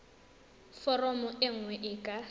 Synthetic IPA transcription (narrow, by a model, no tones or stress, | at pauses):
fɔrɔmʊʔɪŋ̩wɛʔɪkʼa